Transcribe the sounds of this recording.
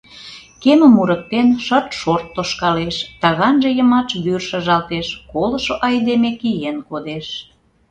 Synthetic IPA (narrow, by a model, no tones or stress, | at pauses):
keməmuɾə̆k̚t̪enʃə̆t̪ʃort̪ːoʃkɑleʃt̪ɑɣɑnʒĕjə̆mɑʃβyrʃə̆ʒɑlt̪eʃkoləʃoʔɑjd̪emekijenkod̪eʃ